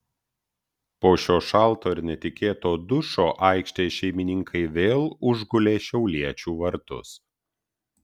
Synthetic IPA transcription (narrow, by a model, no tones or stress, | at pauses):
poːʃʲoːʃɐˑlˠˑt̪oːɪɾnʲɛt̪ʲɪkʲeːt̪oːd̪ʊʃoːʔɑɪkʃʲt̪ʲeːʃʲɛɪmʲɪnʲɪŋkʰɐɪʋʲeːlˠʊʒɡʊlʲeːʃʲɛʊlʲiɛt͡ʃʲuːʋɐɾt̪ʊ̰s